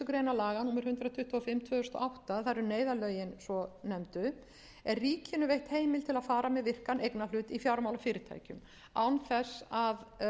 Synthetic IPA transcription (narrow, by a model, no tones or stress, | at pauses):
ʏkɾejnalaːɣanuːmɪɾ̥hʏnt̪ɾaðt̪ʰʏht̪ɔɔfɪmːt̪ʰvœːðʏst̪ɔ̰ʔawht̪aθaɾʏneːjðalœːɥjɪnsɔnɛmt̪ʏ | ɛɾriːcɪnʏvejht̪heːjmɪlt̪ʰɪlaðfaːɾamɛðvɪr̥kanʔejknalʏːt̪ifjawɾmawlafɪːɾɪt̪ʰa̰ːjcʏm | a̰wnθɛsað